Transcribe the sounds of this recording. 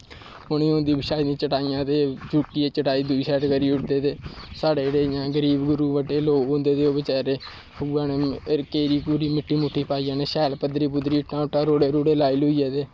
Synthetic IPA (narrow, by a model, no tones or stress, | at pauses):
ɦʊnĩːõːnd̪iːbɪʃaːid̪ĩːt͡ʃəʈaːijãːt̪eːd͡ʒʱuːʈiːeːt͡ʃəʈaːiːd̪ʊiːsɛːʈɡəɾiːʊʈ̚d̪eːt̪eːsaːɽeːeɽeːjãːɡəɾiːbɡʊɾuːʋəʈeːloːõːnd̪eːt̪eːoːbət͡ʃɛːɾeː | ãːneːkeːɾiːpuːɾiːmɪʈʰːiːmʊʈʰːiːpaːijãːneːʃɛːlpəd̪ɾiːpʊd̪ɾiːʊʈʰnãːʊʈʰːaːɾoːɽeːɾoːɽeːlaːilʊiːeːt̪eː